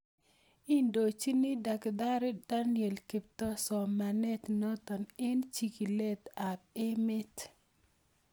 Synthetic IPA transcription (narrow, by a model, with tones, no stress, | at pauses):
i˦ndo˨t͡ʃi˦ni˦da˨kd̪a˦ɾe˦d̥a˦njɛ˨lki˨p̚t̪ɔ˦sɔ˨ma˨nɛ˦t̪nɔ˦t̪ɔ˨nɪ˦nt͡ʃi˨ki˨le˦t̪a˨p̚ɪ˦mɪ˦t